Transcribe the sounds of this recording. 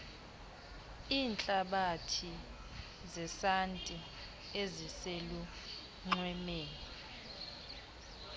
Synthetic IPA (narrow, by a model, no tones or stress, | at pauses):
iːnt͡ɬʼaɓatʰi | zɛsantʼi | eziselu | ŋ͡ǃwɛmeːni